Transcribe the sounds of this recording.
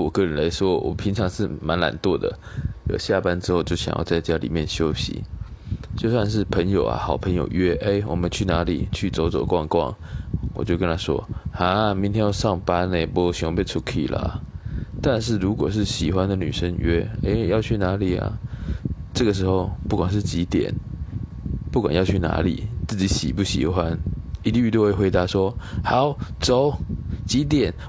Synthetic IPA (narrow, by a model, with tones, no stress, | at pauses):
wɔ˨˩kɤ˥˧˨ɻə˨˦nla˧˥˦ɪʂwɔ˦˥wɔ̰˨˩pʰi˧˥ŋʈ͡ʂʰɑ˧˥ŋʂɻ̩˥˩ma˧˦˥nla̰˨˩nt̪wɔ˥˩d̪ə̰˩ | jo̰˨˩ɕja˥˨pa˦nʈ͡ʂɻ̩˥xo˥˧ʊt͡ɕjo˥˩ʊɕjɑ̰˨˩ŋjɑ˥˧t͡sa˥˧ɪt͡ɕja˥lḭ˨˩mjɛ˥˩nɕjo˥ʊɕḭ˨˦ | t͡ɕjo˥˧ʊswa˥˧nʂ̬ɻ̩˥˩pʰə˧˥ŋjo˨˩ʊɐa̰˨˩xɑ˨˩ʊpʰə˧˦ŋjo̰˨˩ʊɥɛ˦˥ʔe˥ɪwɔ̰˨˩mə˦nt͡ɕʰy˥˩na˧˥lḭ˨˩t͡ɕʰy˥˩t͡so˧˥ʊt͡sɔ˨˩ʊkwɑ˥˧ŋkwɑ̰˥˩ŋwɔ̰˨˩t͡ɕjo˥˩kə˦nt̪ʰa˥ʂwɔ̰˦ha˧˦mi˧nt̪ʰjɛ˥njɑ˥˧ʊʂɑ˥˩ŋpa˥ne˨˩ɪpɔ˧˥ɕy˧˥ŋwpe˥˧t͡sʰu˥˩kʰḭ˨˩lə̰˩a̰˩t̪a˥˧nʂ̬ɻ̩˥˩ɻu˧˥kwɔ̰˨˩ʂ̬ɻ̩˥˩ɕi˨˩xwa˦nd̪ə˨ny̰˨˩ʂə˦ŋɥɛ̰˥e˧˩˧jɑ˥˧ʊt͡ɕʰy˥˩na˧˥li˨˩ɐ̰˨˩ | ʈ͡ʂɤ˥˩ɡə˩ʂɻ̩˧˥xo˥˧ʊpu˥˩kwa˨˩nʂ̬ɻ̩˥˩t͡ɕi˨˥t̪jɛ̰˨˩˦n | pu˥˩kwa̰˨njɑ˥˧ʊt͡ɕʰy˥˩na̰˧˥lḭ˨˩˦t͡sɹ̩˥˩t͡ɕi˨˥ɕḭ˨˩pu˥˩ɕḭ˨˩xwa˦ni˧˥t̪i˥˧y˥˧t̪wwe˥˩xwe˧˥ɪt̪a˧˥ʂwɔ˥ha˨˦ʊt͡so˨˦ʊt͡ɕi˧˦˥t̪̬jɛ˨˩˦n